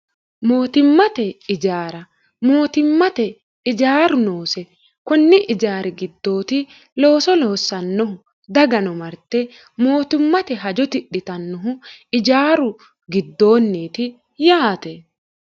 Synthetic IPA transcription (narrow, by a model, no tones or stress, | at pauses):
mo̞ːt̪ɪmːɐt̪ɛɪd͡ʒaːɾɐ | mo̞ːt̪ɪmːɐt̪ɛ | ɪd͡ʒaːɾʊnoːsɛ | kʊnːɪʔɪd͡ʒaːɾʔɛɡɪd̪ːo̞ːt̪ɪ | lo̞ːsɔloːsɐnːɔhʊ | d̪ɐɡɐnɔmɐɾt̪ɛ | mo̞ːt̪ɪmːɐt̪ɛɦɐd͡ʒɔt̪ɪɗːɪt̪ɐnːɔɦʊɪd͡ʒaːɾʊ | ɡɪd̪ːo̞ːnːiːt̪ɪ | jaːt̪ɛ